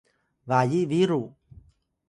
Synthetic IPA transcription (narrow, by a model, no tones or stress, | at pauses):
vajiʔviɾu